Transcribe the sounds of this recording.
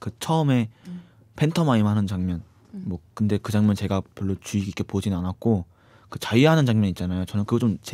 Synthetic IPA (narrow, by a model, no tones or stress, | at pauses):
kɯt͡ɕʰʌɯme̞ | pʰe̞ntʰʌmaimɦanɯnt͡ɕaŋmjʌn | mwʌkɯnde̞kɯd͡ʑaŋmjʌnt͡ɕe̞ɡapjʌɭːot͡ɕuiɡiɡ͈e̞pod͡ʑinɯnanak̚k͈o | kɯt͡ɕaiɦanɯnt͡ɕaŋmjʌɲit̚t͡ɕ͈anajot͡ɕʌnɯnkɯɡʌt͡ɕomt͡ɕe